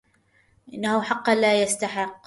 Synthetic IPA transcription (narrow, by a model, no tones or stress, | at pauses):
ʔɪnːahʊħɑqːɑlaːjast̪aħɪqː